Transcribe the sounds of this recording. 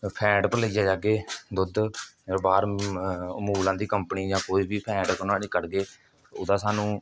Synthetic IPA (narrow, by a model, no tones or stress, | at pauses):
pʰɛ̃ːɖpəɾləid͡ʒaːd͡ʒaːɡeːd̪ʊd̪ɾbaːɾ | muːlãːd̪iːkəmpniːd͡ʒãːkoːiːbiːpʰɛ̃ːɖkənaːliːkəɽɡeː | ʊd̪ãːsaːnũː